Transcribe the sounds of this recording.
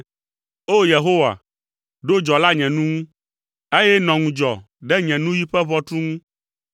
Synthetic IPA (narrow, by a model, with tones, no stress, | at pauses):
o˦je˨ɦo˦wa̰˨ | ɖo˦d͡ʒɔ˨la˦ɲɛ̃˨nũ˦ŋũ˦ | e˦jɛ˦nɔ̃˨ŋũ˨d͡ʒɔ˨ | ɖɛ˦ɲɛ̃˨nũ˦ji˦ɸɛ˦βɔ˦t̪ɾu˦ŋũ˦